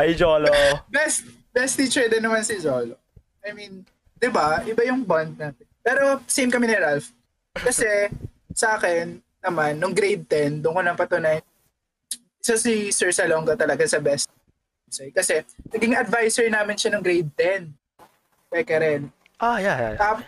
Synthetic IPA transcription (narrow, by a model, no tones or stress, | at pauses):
ʔɐjd͡ʒoːlobɛst̪̚ | bɛst̪iːt͡ʃɛɹd̪ɛnɐmansɪd͡ʒoːlo | ʔɐjmin | d̪ɪbaʔɪbajʊŋband̪̚naːt̪ɛnpɛːɾosejmkɐmɪnɪɾalf | kɐsɛ | sɐʔaːkɛnː | ɐmanːʊŋɡɾejd̪̚t̪ɛnd̪ʊnkolɐŋpɐt̪ʊnajn | ʔɪsasisɛɹsɐloŋɡɐt̪ɐlɐɡasɐbɛst̪̚ | sɛjkɐsɛnɐɡɪŋɐd̪vajsɛɹnaːmɪnʃɐnʊŋɡɾejd̪̚t̪ɛn | t̪ɛkɛɾɛn | ajaap